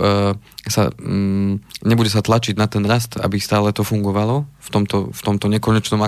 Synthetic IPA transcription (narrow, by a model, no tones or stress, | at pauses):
sa̰ | ɲɛbuɟɛsat̪lat͡ʃiɟnat̪ɛnɾast̪a̰bist̪aːlɛt̪ɔfuŋɡɔʋalɔft̪ɔmt̪ɔft̪ɔmt̪ɔɲɛkɔɲɛt͡ʃnɔma